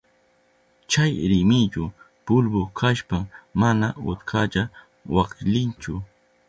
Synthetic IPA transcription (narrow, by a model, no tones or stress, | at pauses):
t͡ʃajɾɪmɪt͡ʃʊ | pʊlbʊkʰaʃpamanaʊ̰t̪kʰaʎa | wakʎɪnt͡ʃʊ